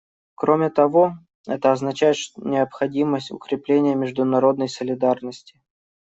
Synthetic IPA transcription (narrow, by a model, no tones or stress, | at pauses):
kɾomʲɪt̪ɐvo | ɛt̪əɐznɐt͡ɕæjɪt̪ʂt̪nʲɪəpxɐdʲiməsʲtʲʊ̰kɾʲɪplʲenʲɪjəmʲɪʐd̪ʊnɐɾo̞d̪nəjsəlʲɪd̪arnəsʲtʲɪ̥